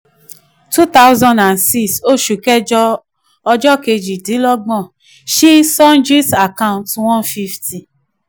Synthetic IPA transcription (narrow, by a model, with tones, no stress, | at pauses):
tu˦t̪a˦wzɔ̃˧nda˨nsi˦so˦˨ʃu˨kɛ˦d͡ʒɔ˧ | ɔ˧d͡ʒɔ˦ke˧d͡ʒi˨tĩ˨˦lɔ˦ɡ͡bɔ̃˦˨ | ʃi˦sɔ˦nd͡ʒi˦sa˨kã˦˧˨ntwɔ̃˦nfi˦fti˨